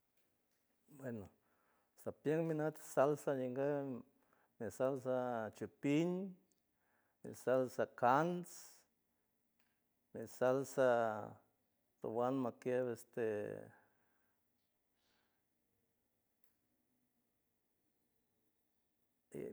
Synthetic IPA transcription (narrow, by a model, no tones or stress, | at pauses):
bweno | sapjeŋminat̪salsajiŋɡe | misals̬at͡ʃupiɲ | mḭsalsakans | misalsa | ɾo̰wanmakeβest̪e